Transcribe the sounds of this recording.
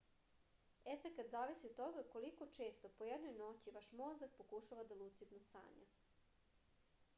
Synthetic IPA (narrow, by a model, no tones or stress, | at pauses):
e̞fekat̪zaːʋisiod̪t̪o̞ɡako̞liko̞t͡ʃe̞ːst̪opojed̪nojno̞t͡ɕiʋaʃmozak̚pokuʃaʋad̪alut̪sit̪nosa̰ːɲa̰